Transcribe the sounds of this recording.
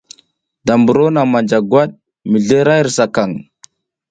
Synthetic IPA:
da˨mbu˨ɾo˦na˨ma˨nd͡ʒa˨ɡwa˦ɗ̚ | mi˨ɮe˦ɾa˦jɾsa˨ka˨ŋ

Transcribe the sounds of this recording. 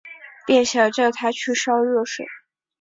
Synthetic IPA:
pjɛ˥˩nɕjɑ˨˩ʈ͡ʂɤ˥˩t̪ʰa˥t͡ɕʰy˥˩ʂɑ˥ʊɻɤ˥˩ʂwḛ˨˩˦ɪ

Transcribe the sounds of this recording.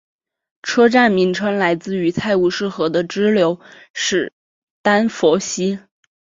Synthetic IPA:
ʈ͡ʂʰɤ˥ʈ͡ʂa˥˩nmi˧˥ŋʈ͡ʂʰɤ˥ŋla˧˥ɪt͡sɹ̩˥˩y˧˥t͡sʰa˥˧ɪu˥˧ʂɻ̩˥˩xɤ˧˥d̪ə˧ʈ͡ʂɻ̩˥ljo˧˥ʊ | ʂɻ̩˥˩ | t̪a˥nfɔ˧˥ɕi˥

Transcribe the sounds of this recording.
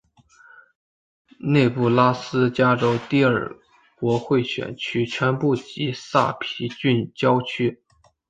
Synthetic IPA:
ne˥˧ɪpu˥˩la˥sɹ̩˥t͡ɕja˥ʈ͡ʂo˥ʊt̪i˥˩ə̰˞˥˨˩ | kwɔ˧˥xwe˥˩ɪɕɥɛ̰˨˩nt͡ɕʰy˥t͡ɕʰɥɛ˧˥npu˥˩t͡ɕi˧˥sa˥˩pʰi˧˥t͡ɕy˥˧nt͡ɕjɑ˥ʊt͡ɕʰy˥

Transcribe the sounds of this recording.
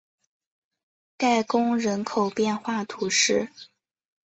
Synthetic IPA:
ka˥˩ɪkʊ˥ŋɻə˧˥nkʰo˨˩ʊpjɛ˥˧nxwa˥˩t̪ʰu˧˥ʂɻ̩˥˩

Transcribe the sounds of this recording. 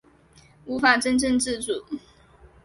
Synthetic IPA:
u˧˥fa˨˩ʈ͡ʂə˦nʈ͡ʂə˥˧ŋt͡sɻ̩˥˨t͡su˨˩˦

